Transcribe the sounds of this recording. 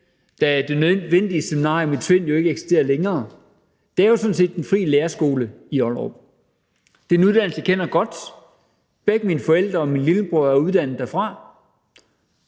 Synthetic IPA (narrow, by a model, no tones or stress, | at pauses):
d̥ææd̥e̝nøʋen̰d̥iəseminɑ̰̈ːjomedsʰʋe̝n̰jo̝e̝ɡ̥əeɡ̥si̥sd̥e̝̰ːɐleŋɐː | d̥eæɐjo̝sɔ̽n̩se̝̰ːd̥enfʁḭːleːɐsɡ̥o̝ːlə | iɒlʁɒ̰b̥̚ | d̥enuð̞ˠd̥æn̰l̩səkʰen̰ɐɡ̥ɒ̽d̥ | b̥eɡ̥əminəfɒ̽el̰d̥ʁɐɒ̽minliləb̥ʁoɐ̰æɐuð̞ˠd̥æn̰ð̩ˠd̥æɐfʁɑ̈